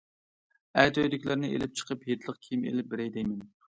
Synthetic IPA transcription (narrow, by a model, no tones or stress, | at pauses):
ɛt̪øjd̪ɪkʲlɪɾnɪʔḛlɪp̚t͡ʃʰə̥qʰəpɦet̪ʰlˠəqkʲʰimḛlɪp̚bɪɾɛjd̪ɛjmɪn